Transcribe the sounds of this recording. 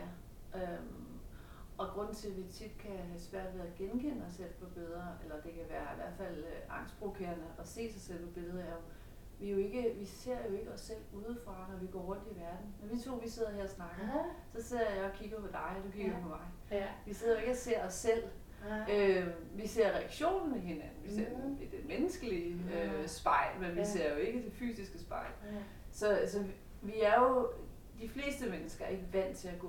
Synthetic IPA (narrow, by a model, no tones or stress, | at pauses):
ɐ | ʔøm | ʔɒ̽ɡ̥ʁɔ̽n̰n̩t͡sʰe̝lʋit͡sʰid̥kʰæɦæsʋæɐ̰d̥ʋeːðˠɡ̥enkʰen̰əɒsel̰pʰɒ̽b̥e̝ðˠɐʔelɐd̥e̝kʰæiʋæːɐiʋæɐ̰d̥fæl̰ɑ̈ŋ̰sd̥pʰʁo̝ʋkʰe̝̰ːɐnəʔɒ̽se̝̰ːsɑ̈ɪsel̰pʰɒ̽b̥e̝lˠð̞̩ˠɐjæo | ʋijo̝e̝ɡ̥əʋise̝ɐ̰jo̝e̝ɡ̥əɒ̽sel̰uːð̞ˠəfʁɑ̈nɒʋiɡ̥ɒ̰ːʁɔ̽n̰d̥iʋæɐd̥n̩mendit͡sʰo̝̰ːʋise̝ð̰ˠɐɦheɐ̰ɒsnɑ̈ɡ̥əsɒ̽se̝ð̰ˠɐjɑ̈ɪɒ̽kʰiɡ̥ɐpʰɒ̽d̥ɑ̈ɪd̥ukʰiɡ̥ɐd̥ipʰɒ̽mɑ̈ɪ | ʋise̝ð̰ˠɐjo̝e̝ɡ̥əɒse̝ɐ̰ɒ̽sːel̰ | ø | ʋise̝ɐ̰ʁɛæɡ̥ɕo̝̰ːn̩meɦe̝nænn̩ʋise̝ɐ̰d̥emenəsɡ̥əliøsb̥ɑ̈ɪ̰lmenʋise̝ɐ̰jo̝e̝ɡ̥əd̥e̝fy̰ːsisɡ̥əsb̥ɑ̈ɪ̰l | sɒ̽sɒ̽ | ʋiæɐjo̝ | d̥ifle̝̰ːsd̥əmenəsɡ̥ɐe̝ɡ̥əʋæn̰d̥t͡sʰe̝æɡ̥ɔ̰